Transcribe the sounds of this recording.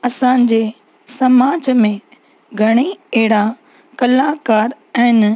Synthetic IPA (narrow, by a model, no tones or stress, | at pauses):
ɐsãːɲd͡ʑe | sɐmaːd͡ʑmẽ | ɡʱɐɽ̃eɐɦɪɽa | kɐlaːkaːɾ | ɛ̃ːɪn